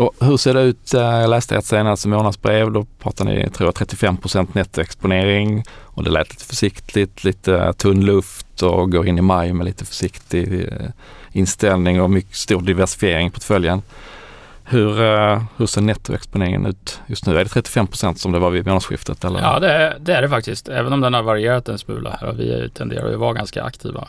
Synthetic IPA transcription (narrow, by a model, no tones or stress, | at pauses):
ɔhɵseːɖɛʉ̟ːt̪jɑlɛːst̪ə̰ɛt̪seːnast̪ɪmoːnad̪sbɾeːvd̪ɔpʰɾɑ̰ːt̪anɪ̰t̪ʰɾuːjat̪ʰɾɛt̪ːɪfɛmːpʰɾʊsɛnt̪nɛt̪ːʊɛkspʊneːɾɪŋɔd̪ɛ̰lɛːt̪ʰliːt̪ə̥fœʂɪkt̪ːʰlɪt̪ʰliːt̪ət̪ʰɵnːlɵft̪ʰɔɡoːɾɪnːɪmajmɛliːt̪əfœ̥ʂɪkt̪ɪ | ɪnst̪ɛlnɪŋɔmʏkːə̥st̪uːɖɪvæʂɪ̥fɪeːɾɪŋpʰɔʈfœljan | hɵɾhɵseːnɛt̪ːʊʔɛ̰kspʊneːɾɪ̰ŋə̰nʉ̟ːt̪jɵst̪nʉ̟ːæɖɛt̪ʰɾɛt̪ːɪ̥fɛmːpʰɾʊsɛnt̪sɔmd̪ɛvaɾvɪmoːnasɧɪ̰ft̪ʰət̪ɛlːə̰ɾɑːd̪ɛd̪ɛæɖɛfak̚t̪ɪst̪ʰɛ̰ːvənɔmd̪ɛnhaɾvaɾɪeːɾat̪̚d̪ɛnsmʉːlʔa̰hæɾɔ̰vɪ̰t̪ʰɛnd̪ḛːɾa̰jɪvɑɾɡanska̰ʔa̰kt̪ʰḭːva̰